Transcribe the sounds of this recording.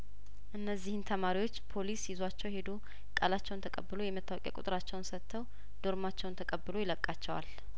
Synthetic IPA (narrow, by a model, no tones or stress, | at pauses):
ʔɨnːəzːihɨnt̪ʰəmaɾiwo̞t͡ʃːpʰo̞lisjɪzwat͡ʃːɛwjhe̞d̪o | kʼəlat͡ʃːɛwnt̪ʰəkʼəbːɨlojɛmət̪ʰːawɔkʼɛ̰kʼʊ̰t̪ʼɨɾat͡ʃːɛwnsət̪ʰːəw | d̪̥o̞ɾmat͡ʃːɛwnt̪ʰəkʼəbːɨlojɪləkʼːat͡ʃːɛwa̰l